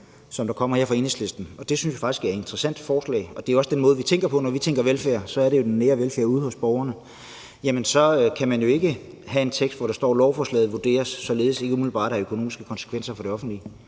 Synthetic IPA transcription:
sɒ̽md̥ɑ̈kʰɒ̽m̰ɐheɐ̰fʁɑe̝ːneŋsle̝sd̥n̩ɒ̽d̥e̝synsjafɑ̈ɡ̥isɡ̥æɐe̝nd̥ʁɐsæn̰d̥fɒːslɛ̰ːɪɒ̽d̥e̝æɒ̽sd̥enmɔ̽ːð̞̩ˠʋit͡sʰeŋ̰ɡ̥ɐpʰɒ̽nɒʋit͡sʰeŋ̰ɡ̥ɐʋelfæɐ̰sɒ̽æɐɾe̝jo̝d̥enːeːɐʋelfæɐ̰uð̞̩ˠhɔ̽sb̥ɒʊɐnə | jæmənsɒ̽kʰæmænjo̝e̝ɡ̥ə | hæe̝nt͡sʰeɡ̥sd̥ʋɒɾɑ̈sd̥ɒ̰ːlɒʊfɒːslɛ̰ːð̩ˠʋud̥e̝̰ːɐsːɒ̽le̝ːð̩ˠse̝ɡəumilib̥ɑ̰̈ːɾ̥ɑøkʰono̝ːmisɡ̥əkʰɒ̽nsə̥kʰʋen̰sɐfɒ̽ɾ̥e̝ɒ̽fn̩d̥li

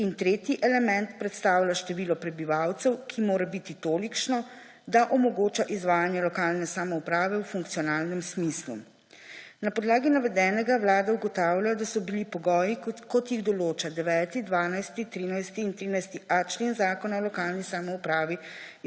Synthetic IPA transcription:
int̪ɾeːt̪jiʔɛlɛmɛnt̪pɾɛt̪st̪aːwlʲaʃt̪ɛʋiːlɔpɾɛbiʋawt̪sɛwkʰimoːɾɛbit̪it̪oːlikʃnɔ | d̪aʔɔmɔɡoːt͡ʃaʔizʋaːjanjɛlɔkaːlnɛsamɔupɾaːʋɛwfuŋk̚t̪sijɔnaːlnɛmsmislṵ | napɔd̪laːɡinaʋɛd̪ɛːnɛɡawlaːd̪ɛuɡɔt̪aːwlʲajɔd̪asɔbilipɔɡɔːjikɔt̪jiɣd̪ɔloːt͡ʃad̪ɛʋɛːt̪id̪ʋaːnajst̪it̪ɾinajst̪iːnt̪ɾiːnajst̪iʔat͡ʃleːnzaːkɔnaɔlɔkaːlnisamɔupɾaːʋi

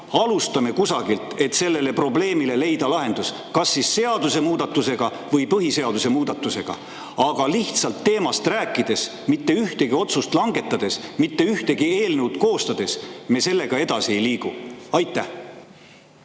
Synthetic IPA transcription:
ɑlust̪ɑme̞kusɑɡilt̪ˑe̞t̪se̞lːe̞le̞pro̞ble̞ːmile̞le̞jd̪̥ɑlɑɦe̞nd̪us | kɑsːisːe̞ɑd̪̥use̞muːd̪̥ɑt̪ːˑuse̞ɡ̥ɑ | vɤjpɤɦise̞ɑd̪use̞muːd̪̥ɑt̪ːˑuse̞ɡ̥ɑ̰ | ɑɡ̥ɑliht̪sɑlt̪ːe̞ːmɑst̪ræːkˑːid̪̥e̞s | mit̪ːe̞yht̪e̞ɡio̞t̪sust̪lɑŋɡ̥e̞t̪ːˑɑd̪̥e̞smit̪ːe̞yht̪e̞ɡie̞ːlnewt̪ko̞ːst̪ɑd̪̥e̞smese̞lːe̞ɡ̥ɑe̞d̪̥ɑsiejliːɡ̥uɑjt̪ːˑæh

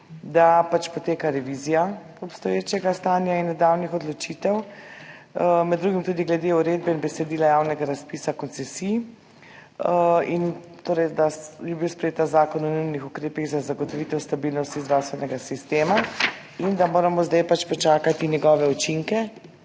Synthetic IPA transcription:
d̪apat͡ʃpɔt̪eːkaɾɛʋizija | ɔpst̪ɔjeːt͡ʃɛɡast̪aːnjainːɛd̪awnixɔd̪lɔt͡ʃit̪ɛw | mɛd̪d̪ːɾuːɡimt̪uːd̪iɡlɛd̪euɾeːd̪̚bɛinbɛsɛd̪iːlajawnɛɡaɾaspiːsakɔnt̪sɛsij | in | t̪oːɾɛjd̪ajɛbiwspɾɛjeːt̪azaːkɔnɔnujnixukɾeːpiɣzazaɡɔt̪ɔʋit̪ɛwst̪abilnɔst̪izd̪ɾawst̪ʋɛnɛɡasist̪eːma | ind̪amoːɾamɔzd̪ajpat͡ʃpɔt͡ʃaːkat̪injɛɡɔːʋɛut͡ʃiŋkɛ

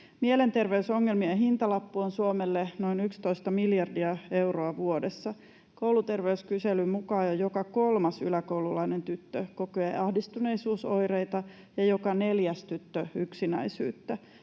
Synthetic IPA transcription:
miele̞nt̪erʋeysoŋːelmiɑɦint̪ɑlɑpːuonsuomelːeno̞inykst̪o̞ist̪ɑmiljɑrdiɑeuroɑʋuodesːɑ | kowlut̪e̞rʋeyskyselymukɑːjojokɑko̞lmɑsy̰lækoululɑinent̪yt̪ːøkokoeɑhdist̪une̞isuːso̞jrejt̪ɑ | jɑjo̞kɑne̞ljæst̪yt̪ːøyksinæ̰isy̰ːt̪ːæ

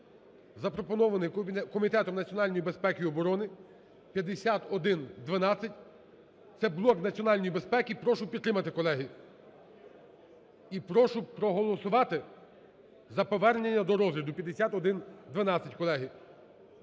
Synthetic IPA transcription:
zɐpɾɔpɔnɔʋɐnɪjkɔmʲit̪ɛt̪ɔmnɐt͡sʲɔnɑlʲnʲɔjibe̞spɛkiɔbɔɾɔnɪ | pʲjɐd̪esʲat̪ɔd̪ɪnd̪ʋɐnɑt͡sʲːɐtʲ | t̪sɛblˠɔknɐt͡sʲiɔnɑlʲnɔjibe̞spɛkʲipɾɔʃʊpʲid̪t̪ːɾɪmɐt̪ɪkɔlˠɛɦi | ipɾɔʃʊpɾɔɦɔlˠɔsʊʋɑt̪ɪ | zɐpɔʋɛrnʲenʲːɐd̪ɔɾɔzʲʋʲid̪ʊpʲjɐd̪esʲat̪ɔd̪ɪnd̪ʋɐnɑt͡sʲːɐtʲkɔlˠɛɦi

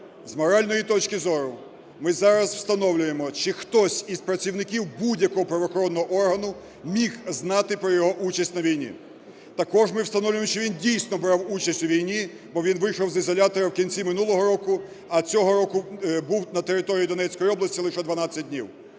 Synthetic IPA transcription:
zmɔɾɑlʲnɔjit̪ɔt͡ʃkɪzɔɾʊ | mɪzɑɾɐzw̥st̪ɐnɔwlʲʊjemɔt͡ʃɪxt̪ɔsʲizpɾɐt͡sʲiwnɪkʲiwbudʲjɐkɔɦɔpɾɐʋɔxɔɾɔnːɔɦɔʔɔrɦɐnʊ | mʲixznɑt̪ɪpɾɔjɔɦɔʔut͡ʃɐsʲtʲnɐʋʲijnʲḭ | t̪ɐkɔʒmɪwst̪ɐnɔwlʲʊjemɔt͡ʃɪʋʲindʲijsʲnɔbɾɑwut͡ʃɐsʲtʲʊʋʲijnʲi | bɔʋʲinʋɪjʃɔwzɪzɔlʲat̪ɔɾɐwkʲinʲt͡sʲimɪnulˠɔɦɔɾɔkʊ | ɐt͡sʲɔɦɔɾɔkʊbuwnɐt̪eɾɪt̪ɔɾʲijid̪ɔnɛt͡sʲkɔjiɔblˠɐsʲtʲilˠɪʃɛd̪ʋɐnɑt͡sʲːɐt̚ʲdʲnʲiw

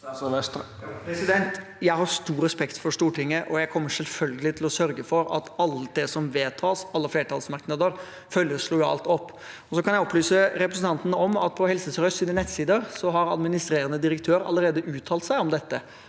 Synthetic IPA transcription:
ɛ | pɛsɪd̪ɛnt̪ | jæɪhɑɾst̪uːɾɛspɛkt̪fɔʂt̪uːʈʰɪŋːəʔɔjæɪkʰɔmːəʂɛlfœlɡəlɪt̪ʰɪlɔsœɾɡəfɔɾɑ̰t̪ɑlːəd̪ɛsɔmʋeːt̪ʰɑːsɑlːəfleːɾət̪ʰɑːlsmɑɾknəd̪əɾ | fœljəʂɭuːjɑ̰lt̪ɔpː | ɔsɔkʰɑnjæɪɔpːlyːsəɾɛpɾəsn̩t̪ɑnt̪ənəɔmɑt̪̚pʰɔhɛlsəsɾœsiːd̪ənɛt̪siːd̪əɾsɔɦɑɾɑ̰d̪mɪnɪst̪ɾeːɾənəd̪ɪɾəkt̪ʰøːɾɑ̰lːəɾeːd̪əʔʉːt̪ʰɑːlt̪sæɪɔmd̪ɛt̪ːə

